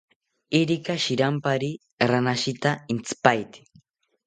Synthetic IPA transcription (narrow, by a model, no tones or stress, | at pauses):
ɪɾɪkaʃɪɾampaɾi | ɾanaʃɪt̪aɪnt͡sɪ̥pajt̪ɪ̥